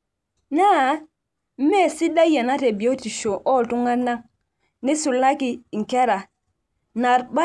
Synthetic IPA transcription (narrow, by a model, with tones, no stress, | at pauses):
na˦ | m̩˦me˦˨si˦da˦je˨na˦te˨bi˨o˦ti˨ʃo˨ʔɔ˦˨tu˦ŋa˦na˦ŋ | ni˦su˨lːa˦ki˨ŋ̩˨ke˦ɾa˨ | na˨ɾba˦